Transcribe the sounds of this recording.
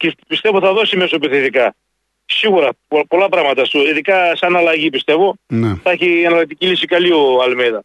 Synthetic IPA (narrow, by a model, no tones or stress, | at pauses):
cepist̪e̞voθɐðo̞sime̞sopiθiðikɐ | siɣuɾɐppo̞lɐpɾɐɣmɐt̪ɐst̪uiðikɐsɐnɐlɐʝipist̪e̞vo̞nɛθɐçiɐnɐlɐk̚t̪icilisikɐlioɐlmejðɐ